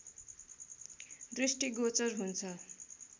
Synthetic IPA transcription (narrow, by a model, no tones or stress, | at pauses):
ɖresʈiɡot͡sʌrɦunt͡sʰʌ